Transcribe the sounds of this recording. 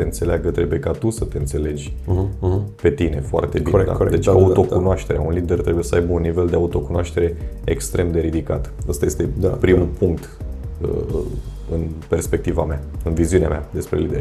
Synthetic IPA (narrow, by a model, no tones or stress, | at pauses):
eɨnt̪se̞leaɡət̪ɾe̞buje̞kat̪usət̪e̞ɨnt̪se̞le̞d͡ʒʲ | pe̞t̪ine̞̰foa̰rt̪ebiid̪a̰d̪et͡ʃauo̞kunoaʃt̪e̞ɾea̰unlid̪ert̪ɾebuje̞səajbəunːive̞ld̪eaut̪o̞kunoaʃt̪e̞ɾe̞ekst̪ɾe̞md̪e̞ɾid̪ikat̪ast̪ajest̪e̞d̪apɾimupuŋk̚t̪ə̰ | ɨnpe̞rspe̞k̚t̪iva̰meaɨnviziunea̰mead̪e̞spɾe̞lid̪eɾ